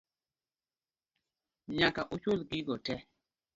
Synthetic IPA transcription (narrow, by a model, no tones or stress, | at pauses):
ɲakaʔut͡ʃolɡiɡɔtɛ